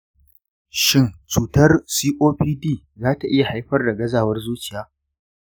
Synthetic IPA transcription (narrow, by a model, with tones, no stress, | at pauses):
ʃɪ˦nt͡ʃuː˨tɐ˦rsiː˦ʔoː˦ɸiː˦diː˦˨ | zaː˦ta˨ʔɪ˦ja˨ha˦jɸɐ˦rda˨ɡɐ˦zaː˨wɐ˦rzuː˦t͡ʃɪ˨jaː˦